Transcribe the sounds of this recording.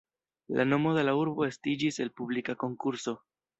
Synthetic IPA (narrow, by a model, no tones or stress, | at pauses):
lʔa̰no̞mo̞de̞lauɾbo̞e̞stid͡ʒise̞lpublikako̞ŋkuɾso̞